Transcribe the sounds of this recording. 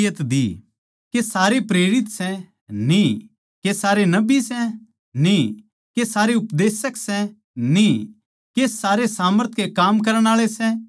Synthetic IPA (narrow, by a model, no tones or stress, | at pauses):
jət̪d̪i | kesaːɾepɾeːɾɪt̪sɛ | ni | kesaːɾenɐbisɛ | ni | kesaːɾeʊpd̪eːsəksɛ | ni | kesaːɾesaːməɾt̪ʰkekaːmk̬ɐɾəɽ̃aːɭesɛ